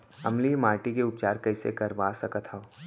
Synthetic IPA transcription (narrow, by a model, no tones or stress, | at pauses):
ɐ̰mlimaːɾʈikeʊp̚t͡ʃaːɾkɐɪsḛkɐɾʋasɐkət̪ʰha